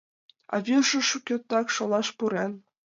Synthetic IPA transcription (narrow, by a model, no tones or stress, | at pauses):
ɑ̰βʲiʒɤ̆ʃukʲøt̪ːɑkʃŏlˠɑʃpuɾen